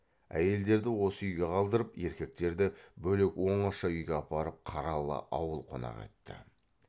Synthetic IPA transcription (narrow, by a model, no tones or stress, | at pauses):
æ̰je̞ld̪e̞ɾd̪ɪwo̞səʏjɡʲeqʰɑlˠd̪əɾəpe̞ɾkʲe̞k̚t̪e̞ɾd̪ɪbɵlekwo̞ɴɑʃɑʏjɡʲeɑpɑɾəp̚qʰɑɾɑlˠə̰ʔɑwəlˠqʰo̞̰nɑ̰qḛt̪ːɪ̰